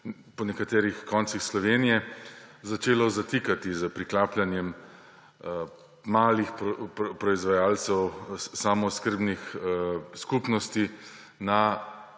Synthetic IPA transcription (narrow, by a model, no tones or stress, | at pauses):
pɔnɛkat̪ɛːɾixkɔnt̪sixslɔʋeːnijɛzat͡ʃeːlɔzat̪iːkat̪izəpɾiklaːplʲanjɛm | maːlixpppɾɔizʋajaːlt̪sɛwsamɔskəɾbnix | skupnɔst̪i | na